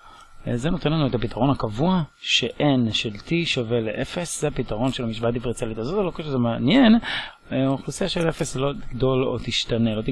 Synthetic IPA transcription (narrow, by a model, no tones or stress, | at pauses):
zenot̪enlanuethapit̪ʰaʁo̞nhakavuaʃe̞ʔʔenʃelt̪ʰiʃave̞leʔefeszeapit̪aʁo̞nʃelamiʃbatdivʁit͡sialit̪azo̞t̪alokeʃezemeanje̞n | aχlusijaʃelefeslo̞t̪iɡdo̞lo̞̰t̪iʃtanelo̞t̪i